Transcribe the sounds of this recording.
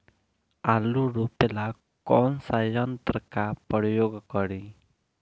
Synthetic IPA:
aluɾupela | kɔnsajɔnt̪ɾəkapɔɾjoɡkɔɽi

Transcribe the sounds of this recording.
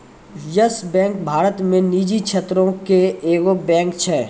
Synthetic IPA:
jəsbɛ̃ːŋk̚bʱaːɾət̪mẽniːd͡ʒikʰʃʰeːt̪ɾõkeeːɡobɛ̃ːkt͡ʃʰɛː

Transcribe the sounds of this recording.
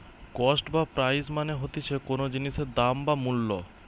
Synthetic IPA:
kɔsʈbapɾajzmaneɦot̪it͡ɕʰekonod͡ʑiniʃeɾd̪ambamulːo

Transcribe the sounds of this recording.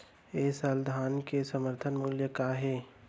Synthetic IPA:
eːsəld̪ʱaːnkesəməɾt̪ʰənmuljəkaɦeː

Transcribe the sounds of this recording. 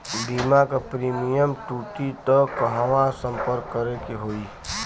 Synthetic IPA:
bimakapɾiːmijəmʈuːʈit̪əkəɦaʋasə̃mpəɾkːəɾekeɦoːi

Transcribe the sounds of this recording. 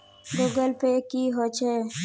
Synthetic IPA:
lʊɡəlpekiɦot͡ʃʰe

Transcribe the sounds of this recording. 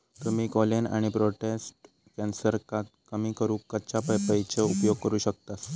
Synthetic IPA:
t̪əmiːkɔlena̰ɽ̃ipɾoʈesʈ | kɛnsəɾkãt̪kəmiːkəɾuːkkːət͡ɕapəjpəjt͡ɕeupjoɡkəɾuːɕək̚t̪as

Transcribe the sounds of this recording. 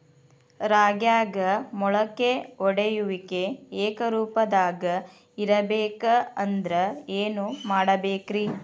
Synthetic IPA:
ɾaːɡjaːɡɐmɔɭɐkːeɔɽejuʋikeeːkɐɾuːpɐd̪aːɡɐ | iɾɐbeːkɐɐnd̪ɾɐeːnumaːɽɐbeːkɾi

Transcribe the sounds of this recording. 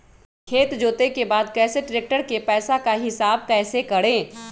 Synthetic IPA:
kʰeːt̪d͡ʒoːt̪ekebaːd̪kɛːseʈɾeːk̚ʈəɾkepɛːsakaɦɪsaːb̚kɛːsekɐɽẽː

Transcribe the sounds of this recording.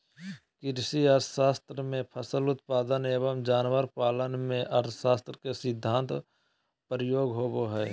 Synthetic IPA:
kɪɾsiəɾt̪ʰʃaːst̪ɾəmẽpʰəsəlʊt̪̚paːd̪əneːbəmd͡ʒaːnʋəɾpaːlənmẽʔəɾt̪ʰʃaːst̪ɾəkesɪd̪ʱːãːnt̪ | pɾɪjoːɡɦoːboɦɛː

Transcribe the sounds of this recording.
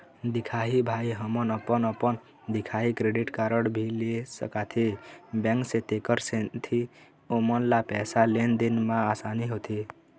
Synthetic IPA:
d̪ikʰaɦibʱaiɦəmənəpənəpən | d̪ikʰaɦikɾeɖiʈkaɾəɽbʱilisə̰kat̪ʰibɛ̃ŋkset̪ekəɾset̪ʰi | omənlapɛsalend̪inmãːsaniɦot̪ʰi

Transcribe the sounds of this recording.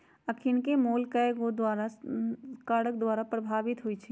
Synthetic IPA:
əkʰɪnkemoːlkəɡod̪waːɾa | kaːɽək̚d̪waːɾapɾəbʱaːʋɪt̪ɦʊit͡ʃʰi

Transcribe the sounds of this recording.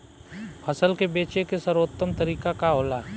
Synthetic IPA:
pʰɐsəlkebeːt͡ʃekesɐɾoːt̪ːəmt̪əɾiːkakaɦoːlaː

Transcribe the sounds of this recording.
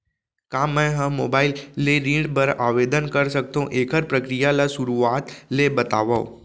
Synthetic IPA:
kamːẽɦãmobailːeɾĩɖpəɾaʋed̪ənkəɾsək̚t̪õʔekəɾpɾəkɾijalasuɾuat̪lebət̪aʋa

